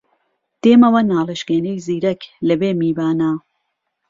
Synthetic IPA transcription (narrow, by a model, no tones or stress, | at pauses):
d̪̥eːmɐwɐnaːleʃkeːnejziːɾɐklɐbeːmiːbaːnaː